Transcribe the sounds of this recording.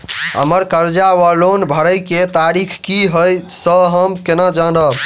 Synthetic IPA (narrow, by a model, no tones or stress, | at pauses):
ɦə̰məɾkəɾd͡ʒawalonbʱəɾəjket̪aɾikʰkiɦəjsəɦəmkenad͡ʒanɖə